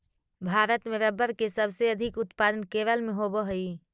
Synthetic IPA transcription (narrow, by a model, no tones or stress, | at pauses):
bʱaːɾət̪mẽɾəbəɾkesəbseɐd̪ʱɪkʊt̪paːd̪ənkeːʋəlmẽɦoboɦəiː